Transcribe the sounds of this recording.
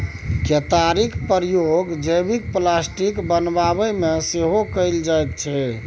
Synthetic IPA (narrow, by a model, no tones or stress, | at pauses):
ket̪aɾikpəɾjoɡd͡ʒəjbik̚plasʈikbənbaβəmeseɦokəɪld͡ʒajt̪t͡ʃʰɛ